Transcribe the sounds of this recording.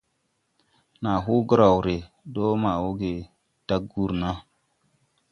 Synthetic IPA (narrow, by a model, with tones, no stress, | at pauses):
na˨ɦu˦ɡɾa˨wɾe˨ | do˦ma˨wo˦ɡe˨ | d̥a˦ɡ̚ɡu˦ɾna˦